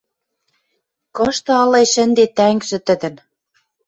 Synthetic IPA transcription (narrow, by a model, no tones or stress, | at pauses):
kɤ̆ʃt̪ɤ̆ɑlɤjʃə̆nd̪et̪æŋɡʒɘ̆t̪ə̆d̪ɘ̆n